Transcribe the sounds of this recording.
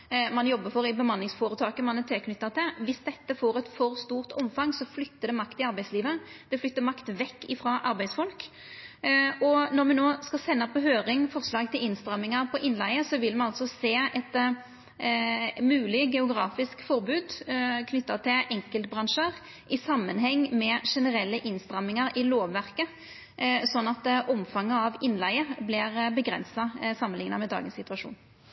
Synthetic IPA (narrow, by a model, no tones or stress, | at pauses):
mɑnjɔbːəfɔɾɪbəmɑnːɪŋsfoːɾət̪ʰɑːkəmɑnɛt̪ʰɛkʰnʏt̪ːɑt̪ʰɪlʋɪsd̪ɛt̪ːəfoːɾɛt̪fɔʁst̪uːʁt̪ɔmfɑŋsɔflʏt̪ːəɖ̪ɛmɑkt̪ɪɑɾbæɪsliːʋəd̪̥ɛflʏt̪ːəmɑkt̪ʋɛkːɪfɾɑːʔɑɾbæɪsfɔlk | ɔnɔɾmɛnoːskɑsɛnːəpʰɔɦøːɾɪŋfɔʁslɑːɡ̚t̪ʰɪlɪnst̪ʁɑmːɪŋɑpʰɔʔɪnlæɪəsɔʋɪlmɛnɑlsɔseːɛt̪ | mʉːlɪɡɛʊɡɾɑːfɪskfɔʁbʉːd̪kʰnʏt̪ːɑt̪ʰɪlʔɛŋkəlt̪bʁɑnʂəʁ | ʔɪsɑmːənɦɛŋːmɛʂɛnəɾɛlːəʔɪnst̪ʁɑmːɪŋɑɾɪloːʋːæʁkə | sɔnːɑt̪ʔɔmfɑŋːəɑʋɪnːlæɪəblɪʁbəɡɾɛ̰nsɑsɑmːənlɪŋnɑmɛd̪ɑ̰ːɡənsɪt̪ʉʋɑʂṵːn